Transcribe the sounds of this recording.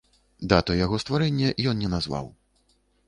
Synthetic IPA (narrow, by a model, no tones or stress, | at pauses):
d̪at̪ɔjaɣɔst̪vaɾɛnʲːɛʔjɔnnʲɛnazva̰w